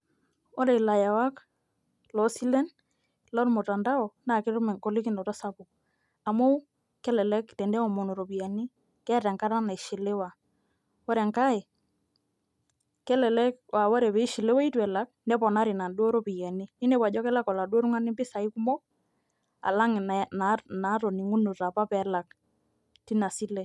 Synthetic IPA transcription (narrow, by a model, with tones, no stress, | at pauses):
ɔ˦ɾɛ˨la˨ja˨wa˦k | lɔ˨˦si˦lɛ˦n | lɔ˦ɾmo˨ta˨nda˦ɔ˨na˨kɪ˦ɾu˦mɛ˨ŋko˦li˦kɪ˦nɔ˨tɔ˦sa˦pʊ˨k̚ | a˨mo˦ | kɛ˦lɛ˨lɛ˦ktɛ˨ndɛ˦ɔ˨mo˨no˨ɾo˨pi˨ja˨ni˦ | kɛ˦˨tɛ˨ŋka˦ɾa˦na˨i˨ʃi˨le˦wa˨ | ɔ˦ɾɛ˨ŋka˦ɛ˨ | kɛ˦lɛ˨lɛ˦kwa˨wɔ˦ɾɛ˨pɛ˨i˦ʃi˨le˦wa˦i˦twɛ˨la˦k̚ndɛ˦pɔ˨na˦ɾi˨na˨ndo˦ɾo˦pi˨jɛ˨ni˦ni˦ne˦pwa˨ʄɔ˦kɛ˦la˦kɔ˨la˨dwo˦ɾu˦ŋa˦nɪ˦mbɪ˦sa˨i˦ku˦mɔ˦ | a̰˨la˦ŋ˨na˨na˨˦tɔ˨ni˨ŋu˦nʊ˨ta˨pa˦pɛ˨˦la˨k̚ | ti˦na˨si˦lɛ˨